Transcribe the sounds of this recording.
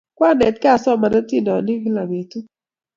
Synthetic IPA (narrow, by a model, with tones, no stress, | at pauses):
kwa˦˨nɛ˨t̚kɛ˦a˨sɔ˦˨ma˨na˦ti˦˨nɔ˨ni˦vi˦la˨me˨tu˦